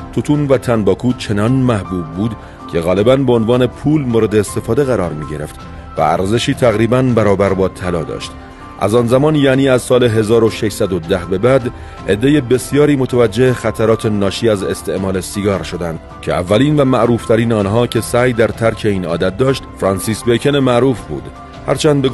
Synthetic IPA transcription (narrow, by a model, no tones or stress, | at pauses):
t̪ʰot̪ʰuːnvæt̪ʰænbɒːkʰuːt͡ʃʰe̞nɒːnmæhbuːbːuːd̪ | cʲʰe̞ɣɒːle̞bænbeonvɒːne̞pʰuːlmoːɾe̞d̪e̞ːst̪e̞fɒːd̪e̞ɣæɾɒːɾmiːɟe̞ɾe̞ft̪ | væ̰æ̰ɾze̞ʃiːt̪ʰæɣɾiːbænbæɾɒːbæɾbɒːt̪ʰælɒːd̪ɒ̰ːʃt̪ | ʔæ̰zɒːnzæmɒːnjæniːæzsɒːleɦe̞zɒːɾo̞ʃeʃsæd̪o̞d̪æhbe̞bæd̪ | e̞d̪ːe̞jebe̞sjɒːɾiːmo̞t̪ʰævæd͡ʒːe̞hexæt̪ʰæɾɒːt̪ʰe̞nɒːʃiːæze̞st̪ʰe̞ʔmɒːle̞siɡɒːɾʃo̞d̪ænd̪̥ | cʰe̞̰ʔæ̰vːæliːnvæmæʔɾuːft̪ʰæɾiːnɒːnɦɒːcʰe̞sæːjd̪æɾt̪ʰæɾcʰe̞iːnɒ̰ːd̪æt̪̚d̪ɒːʃt̪fɾɒnsiːsbejcʰenemæʔɾuːfbṵːd̪ | hæɾt͡ʃʰænd̪̚be